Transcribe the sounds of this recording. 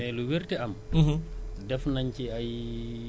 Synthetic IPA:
ɛluwiɾtɛam | dɛfnaɲt͡ʃiaj

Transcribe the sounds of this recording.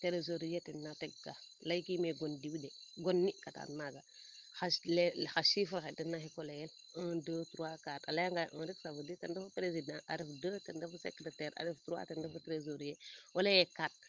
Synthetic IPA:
teɾezoɾijetenːateɡkalajkimeɡondiwdeɡonːikata̰nmaɡa | xaʃlexaʃifuɾxetenːahikolejel | ə̃dətuɾuakatalaŋɡaʔə̃ɾifsavuditendafupɾezidãʔaɾifdəːtendafusekɾetɛɾa̰ɾiftɾua̰tendafutɾezoɾijeolejekat̚

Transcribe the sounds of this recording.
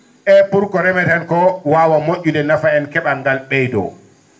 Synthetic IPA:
ʔɛpuɾkɔɾɛmɛtɛnkɔwawamoʔʲːudɛnafaɛnkɛɓaŋɡalɓɛjdɔ̰

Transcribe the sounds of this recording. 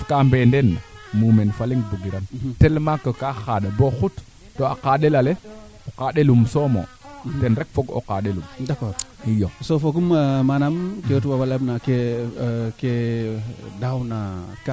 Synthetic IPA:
kambendenmumenfaliŋɡbuɡiɾantelmakːəkaxaɗaboxut | toa̰qaɗelale | okaɗelumsomo̰ | tenɾek̚foɡo̰qaɗelumdakɔɾijosofoɡummanamkewtuwawalabnake | ke | dawnaka

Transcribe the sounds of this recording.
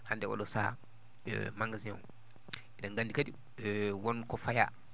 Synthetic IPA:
handɛɔ̰ɗɔsa̰ | maŋɡazia̰ŋ | ʔɛnaŋɡandikadi | wɔnkɔfaja̰

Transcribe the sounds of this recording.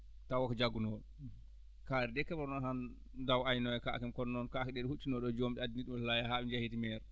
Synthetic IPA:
tawakɔd͡ʒaɡːunɔɗɔ | kaːɾɛdɛkːɛbɔɾnɔnhan | dawajnɔjɛka̰kɛmkɔnnːɔnkakɛɗɛɗhut͡ʃːinɔɗɔd͡ʒomɗiadiniɗumlajahaɓd͡ʒahitimɛɾ

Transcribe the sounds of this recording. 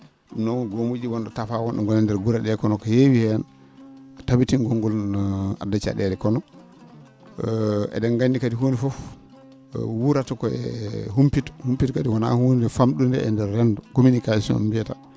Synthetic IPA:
ɗunɔwnɡomud͡ʒiwɔnɗɔtafawɔnɗɔ̰ŋɡɔlɛndɛɾɡuɾaɗɛkɔnɔkɔjewihɛn | tabitinɡɔŋɡɔla̰dːat͡ʃa̰ɗɛɾɛkɔnɔ | ɛ̰dɛnɡandikadiɦonifɔf | wuɾatɔkɔɛ̰humpithumpitkadiwana̰honidɛfamɗundɛ̰ɛndɛɾːɛndɔkominikasiɔ̰nbiɛta

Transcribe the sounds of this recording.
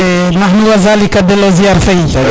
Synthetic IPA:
nahnuwazalikad̪eloziaɾfei

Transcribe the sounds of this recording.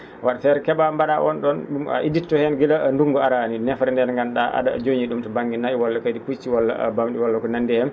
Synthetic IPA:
waɗafɛɾkɛɓambaɗaʔɔnɗɔnɗuma̰ʔiditːɔhɛnɡilanduŋɡɔaɾaninɛfɾɛndɛnŋɡanɗaʔa̰ɗa̰d͡ʒoɲiɗumtɔbaŋɡinaiwɔlːakajdiput͡ʃːiwɔlːa̰bamɗiwɔlːakɔnandɛhɛm

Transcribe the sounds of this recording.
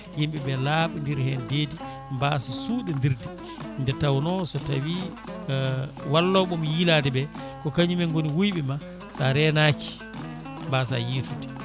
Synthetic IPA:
jimɓɛbɛlaɓundiɾhɛndeːdi | mbasasuːɗɛndiɾdi | ndɛtawnɔsɔtawi | walːɔɓumjiladɛbɛ | kɔkaɲumɛŋɡoniwujɓɛma | saɾɛnaki̥ | mbasa̰jitudi

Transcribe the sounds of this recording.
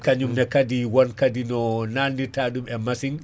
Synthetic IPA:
kaɲumnɛkadiwɔnkadinɔnaːnditaːɗumɛmasiŋ

